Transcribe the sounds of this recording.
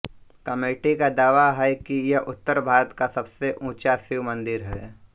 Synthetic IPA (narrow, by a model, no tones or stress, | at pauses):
kɐmeːʈikad̪aːʋaɦɛkijɛʊt̪ːəɾbʱaːɾət̪kasɐbseʔũːt͡ʃaːsɪwmɐ̃nd̪ɪɾɦɛː